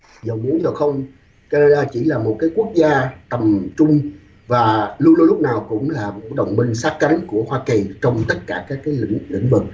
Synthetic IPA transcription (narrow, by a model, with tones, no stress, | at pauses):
zə˨˩wmu˨˧˦əɲə˨˩wxə˧wŋ͡m | ka˧aː˧t͡ɕi˧˩laː˨˩mo˨˩t̚kaː˨˦jku˦˥ək̚zaː˧t̪ə˨˩mt͡ɕʊ˧ŋ͡m | vaː˨˩lu˧lu˧lʊ˦˥k͡p̚naː˨˩wkʊ̰˧˥ŋ͡mlaː˨˩ɗə˨˩wŋ͡mmï˧ŋ̟saː˦˥k̚kːa˨˦jŋ̟ku˧˩əhwaː˧ki˨˩t͡ɕɔ˧wŋ͡mt̪ə˦˥t̚kaː˧˩kaː˦˥kːaː˨˦j̰ŋlḭ˧˥ŋ̟vɨ˨˩k̚